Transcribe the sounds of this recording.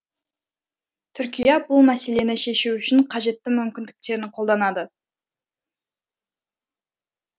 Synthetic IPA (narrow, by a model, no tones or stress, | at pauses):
t̪ʰʏɾkʲijɑbʊlˠmæse̞le̞nɪʃe̞ʃuʏʃɪɴqʰɑʒe̞t̪ːɪmʏmkʲɪnd̪ɪk̚t̪e̞ɾɪnqʰold̪ɑnɑd̪ə